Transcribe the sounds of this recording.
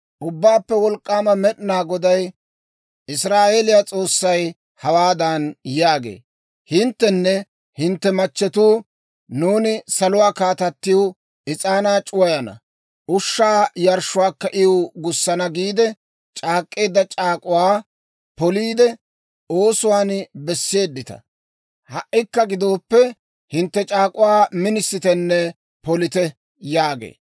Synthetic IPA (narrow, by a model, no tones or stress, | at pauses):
ʔʊbːaːpːɛwɔlkʼːaːmɐmɛɗɪnaːɡɔd̪ɐj | ɪsɾaːʔeːlɪjat͡sʼo̞ːsːɐj | hɐwaːd̪ɐnjaːɡḛː | hɪnt̪ːɛnːɛ | hɪnt̪ːɛmɐt͡ʃːɛt̪uː | nuːnɪsɐlʊwaːkaːt̪ɐt̪ːɪjwʊ | ʔɪt͡sʼaːnaːt͡ʃʼʊwɐjɐnɐ̰ | ʔʊʃːaːjɐɾʃʊwaːkːɐʔɪoɡʊsːɐnɐɡiːd̪ɛ | t͡ʃʼaːkʼːe̞ːd̪ːɐt͡ʃʼaːkʼʊwaː | pɔliːd̪ɛ | oːsʊwaːnbɛsːe̞ːd̪ːɪt̪ɐ̰ | hɐʔːɪkːɐɡɪd̪o̞ːpːɛ | hɪnt̪ːɛt͡ʃʼaːkʼʊwaːmɪnɪsːɪt̪ɛnːɛ | pɔlɪt̪ɛ | jaːɡḛː